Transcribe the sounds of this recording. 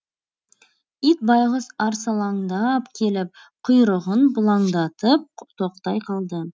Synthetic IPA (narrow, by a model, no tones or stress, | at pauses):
it̪̚bɑjʁəzɑɾsɑlˠɑŋd̪ɑpkʲʰe̞lɪp̚ | qʰʊjɾəʁənbʊlˠɑɴd̪ɑt̪əp̚t̪ʰo̞q̚t̪ɑjqʰɑlˠd̪ə